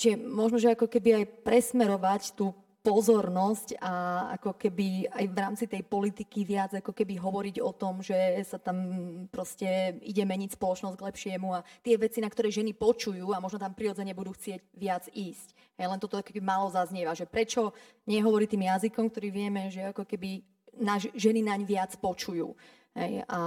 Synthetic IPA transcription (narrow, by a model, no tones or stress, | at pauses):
t͡ʃiʒɛmɔʒnɔʒɛakɔkɛbiajpɾɛsmɛɾɔʋact̪uː | pɔzɔɾnɔscaa̰kɔkɛbiajʋɾaːmt͡sit̪ɛjpɔlit̪ikiʋɪad͡zakɔkɛbiɦɔʋɔɾiɟɔt̪ɔmʒɛsat̪ampɾɔscɛiɟɛmɛɲicspɔlɔt͡ʃnɔzɟɡlɛpʃɪɛmuat̪ɪɛʋɛt͡sinakt̪ɔɾɛjʒɛnipɔt͡ʃujuːamɔʒnɔt̪ampɾiɾɔd͡zɛɲɛbud̪uːxt͡sɪɛɟʋɪad͡ziːsc | ɦɛjlɛnt̪ɔt̪ɔakɔkɛbimaːlɔzazɲɪɛʋaʒɛpɾɛt͡ʃɔ | ɲɪɛɦɔʋɔɾit̪iːmjazikɔmkt̪ɔɾiːʋɪɛmɛʒɛakɔkɛbi | naʒʒɛninaɲʋɪat͡spɔt͡ʃujṵː | ɦɛ̰ja̰